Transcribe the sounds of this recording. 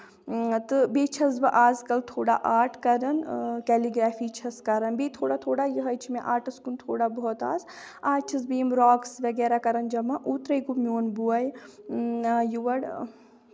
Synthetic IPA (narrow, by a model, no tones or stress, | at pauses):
t̪ɨbeːt͡ʃʰɐs̬bɨʔaːzkɐlt̪ʰoːɽa̰ʔaːɾʈkɐɾɐnkɛːliɡɾaːfiːt͡ʃʰɐskɐɾɐnbeːt̪ʰoːɽat̪ʰoːɽaːjiɦɐjt͡ʃʰimẽʔaːɾʈɨskunt̪ʰoːɽaːbɔɔt̪a̰ːz | aːt͡ʃʰɐsbeːmɾɔːksʋɐɡɛːɾaːkɐɾɐnd͡ʒɐmaʔuːt̪ɾɐjɡumjoːnbuɐj | juʋɐɽ